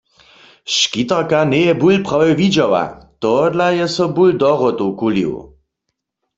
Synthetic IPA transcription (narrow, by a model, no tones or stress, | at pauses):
ʃkit̪aʁkanɛjɛbulpʁawɛwvid͡ʒɔwa̰t̪ɔd̪lajɛsɔbuld̪ɔʁɔt̪owkulḭw